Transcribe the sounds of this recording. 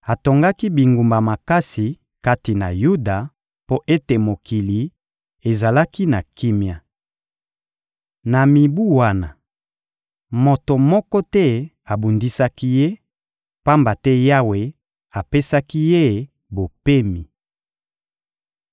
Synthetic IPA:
a˨to˨ŋɡa˦ki˦bi˨ŋɡu˨mba˨ma˨ka˦si˨ | ka˦ti˨na̰˨ju˦da˨ | po˦ʔe˦te˨mo˨ki˨li˨ | e˨za˨la˦ki˦na˨ki˦mja˨ | na˨mi˨bu˦wa˦na˨ | mo˨to˨mɔ˦kɔ˦tɛ˦ | a˨bu˨ndi˦sa˦ki˦je˦ | pa˦mba˨tɛ˦ja˦we˨ | a˨pe˦sa˦ki˦je˦ | bo˨pe˦mi˨

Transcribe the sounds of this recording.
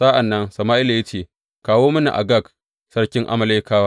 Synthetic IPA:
sa˦ʔa˨nːɐ˦ŋsɐ˨maː˦ʔɪ˦la˨jɐ˦t͡ʃeː˨ | kaː˨woː˦mɐ˦nḭ˨ʔa̰˨ɡɐ˦˨k | sɐ˦ɽkʲɪ˦ŋʔa̰˦mɐ˨leː˦kaː˦waː˦

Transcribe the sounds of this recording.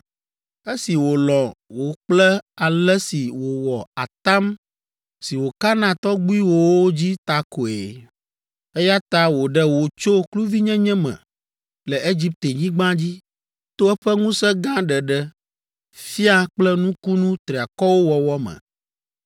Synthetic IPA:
e˦si˨wo˨lɔ˨wo˨k͡plɛ˦a˨lɛ˦si˨wo˨wɔ˨a˨t̪a˦m | si˨wo˨ka˦nã˨t̪ɔ˦ɡ͡bi˦wo˦wo˦d͡ʑi˦t̪a˦ko˨ḛ˨ | e˦ja˦t̪a˦wo˨ɖɛ˦wo˨t͡ʃo˦klu˦vi˦ɲɛ̃˦ɲɛ̃˦mɛ̰̃˨ | lɛ˨e˦d͡ʑi˦p̚t̪e˨ɲĩ˦ɡ͡bã˦d͡ʑi˦ | t̪o˦ɛ˦ɸɛ˦ŋũ˦sɛ˦ɡã˦ɖɛ˨ɖɛ˦ | fi˦a˦k͡plɛ˦nũ˦ku˦nũ˦t̪ɾi˨a˨kɔ˦wo˦wɔ˨wɔ˦mɛ̰̃˨

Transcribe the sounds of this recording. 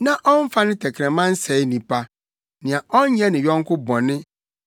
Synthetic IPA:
nã˨ʔɔ̃˦n˦fa˦nɪ̃˦tʰɛ˨kʰɾɛ̃˨mã˦n̩˦sɛ˨ɪ˦nĩ˨pʰa˦ | nɪ̃˨ã˨ʔɔ˦n˦ɲɛ˦nɪ̃˨ɥɔ̃˦ŋ̩˦kʊ˦bɔ̃˨nɪ̃˦

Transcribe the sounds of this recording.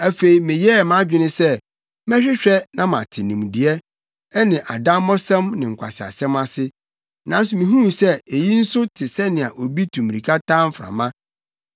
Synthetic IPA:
æ˨fe˨i˨mɪ̃˨jɛ˦˨mã˦d͡ʑᶣɪ˦nɪ̃˦sɛ˦ | mɛ̃˦ɕᶣɪ˦ɕᶣɛ˦nã˦mã̰˨tʰɪ˨nĩ˨mdi˨ɛ˦ | ɛ˦nɪ̃˨ʔa̰˨dã˦ɔ˦sɛ̃˦mnɪ̃˨ŋ̩˨kʷʰa̰˨sɪ˨a̰˨sɛ̃˦ma˦sɪ˦ | nã˨˦n˦s̬ʊ˨mĩ˨ɦũ˦˨sɛ˦e˨ji˦n̩˦sʊ˦tʰɪ˨sɛ˦nɪ̃˨a̰˨ʔo˨bi˦tʰũ˨m˨ɾi˨kʰa˦tʰãː˦m̩˦fɾa̰˨mã˦

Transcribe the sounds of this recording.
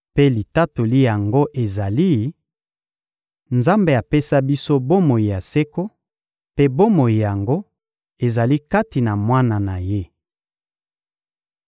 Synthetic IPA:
pe˦li˨ta˦to˨li˦ja˨ŋɡo˦ʔe˨za˨li˦ | nza˦mbe˨a˨pe˦sa˦bi˦so˦bo˦mo˨ji˨ja˨se˦ko˦ | pe˦bo˦mo˨ji˨ja˨ŋɡo˦ | e˨za˨li˦ka˦ti˨na˨mwa˦na˨na˨je˦

